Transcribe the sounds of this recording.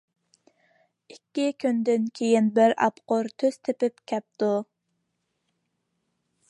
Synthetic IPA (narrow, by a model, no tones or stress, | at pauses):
ikʲːikʲynd̪ɪnkʲʰejɪnbɪɾɑ̰pqoɾt̪ʰøz̥t̪ʰepɪp̚kʲʰɛp̚t̪u